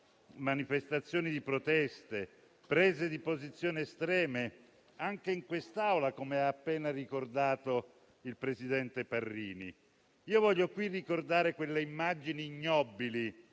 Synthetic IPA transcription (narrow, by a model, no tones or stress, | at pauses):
manifest̪at̪sːjoːnid̪ipɾot̪ɛst̪e | pɾeːzed̪ipozit̪sːjoːneːst̪ɾɛːme | aŋk̟eiŋkwest̪awlakomeaːpːeːnarikord̪aːt̪o | ilpɾezid̪ɛnt̪eparːiːnḭ | iːovɔʎːokwirːikord̪aːɾekwelːeimːad͡ʒiniːɲːɔbːili